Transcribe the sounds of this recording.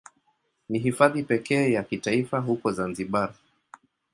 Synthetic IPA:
niɦifaðipɛkɛːjakitaifaɦukɔzanziɓaɾ

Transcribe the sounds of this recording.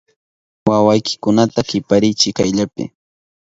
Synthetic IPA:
wawajkɪ̥kʊnat̪akɪpaɾɪt͡ʃɪkajʎapɪ̰

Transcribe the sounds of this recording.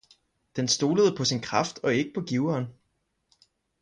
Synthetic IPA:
d̥ensd̥o̝ːləð̞ˠpʰɒ̽sinkʰʁɑfd̥ɒ̽e̝ɡ̥əpʰɒ̽ɡ̥iʊɐːn

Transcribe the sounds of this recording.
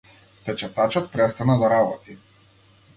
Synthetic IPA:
pɛt͡ʃɛt̪at͡ʃɔt̪̚pɾɛst̪anad̪aɾabɔt̪i

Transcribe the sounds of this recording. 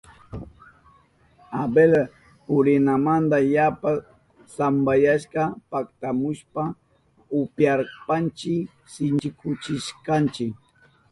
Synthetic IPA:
abel | ʊɾɪnamand̪ajapa | sambajaʃkɑpakt̪amʊʃpa | ʊpjaɾpant͡ʃɪk | sɪnt͡ʃɪkʰʊt͡ʃɪʃkant͡ʃɪk

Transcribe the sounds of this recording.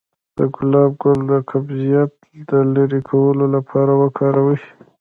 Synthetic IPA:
d̪̥əɡʊlɑb̚ɡʊld̪əkʰabzijat̪ | d̪əleɾikʰawəlolapʰɑɾawəkʰɑɾawə

